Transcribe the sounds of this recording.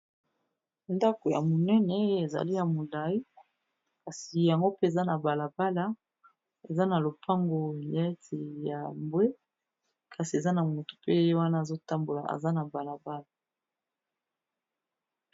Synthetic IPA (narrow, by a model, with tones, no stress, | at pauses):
nda˦ko˨ja̰˨mo˨nɛ˦nɛ˨˦e˨za̰˨li˦ja˨mo˨la˨i˦ | ka˨si˨ja˨ŋɡo˦pe˦e˨za˦na˨ba˨la˨ba˦la˨˦ | e˨za˦na˨lo˨pʰa˦ŋɡo˨˦a˦te˨ja˨mbwe˦ | kʰa˨si˨e˨za˦na˨mo˨to̥˨pe˦e˦wa˦na˦˨zo˦ta˦mbo˨la̰˨ʔa̰˨za˦na˨ba˨la˨ba˦la˨